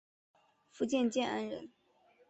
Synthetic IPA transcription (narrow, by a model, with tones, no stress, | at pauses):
fu˥˧t͡ɕjɛ˥˧nt͡ɕjɛ˥˧na̰˥nɻə̰˧˥n